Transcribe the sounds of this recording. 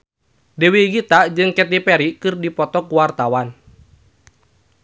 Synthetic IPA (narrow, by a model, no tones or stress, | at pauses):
dɛwiɡit̪aʔd͡ʒɨŋkɛt̪̬ipɛɾikɨrdipɔt̪ɔkuwart̪awan